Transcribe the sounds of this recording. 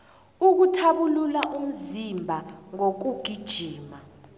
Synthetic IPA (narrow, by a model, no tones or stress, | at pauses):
uk̬utʰaɓululaʔum̩zimbʱaŋok̬uɡ̥ʱid̥ʒ̥ʱiːma